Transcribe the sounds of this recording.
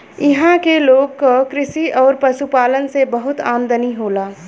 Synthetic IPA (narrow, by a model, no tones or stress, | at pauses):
ɪɦãkeloːɡkokɾɪsiɔːɾpɐʃupaːlənsebɐɦʊt̪aːmd̪əniɦoːlaː